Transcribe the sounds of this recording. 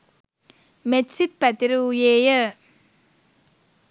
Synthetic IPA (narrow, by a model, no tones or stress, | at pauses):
metsit̪̚pɐt̪iɾujeːjə